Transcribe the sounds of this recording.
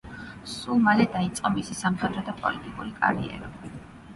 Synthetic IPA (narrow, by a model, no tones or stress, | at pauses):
sulˠmalɛd̪ait̪sʼqʼɔmisisamχɛd̪ɾɔd̪apʼɔ̰lit̪ʼikʼuɾikʼa̰ɾḭɛ̰ɾɔbi